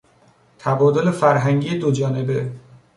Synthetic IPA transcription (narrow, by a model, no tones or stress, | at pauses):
t̪ʰæbɒːd̪o̞le̞fæɾɦæŋɟiːed̪od͡ʒɒːne̞be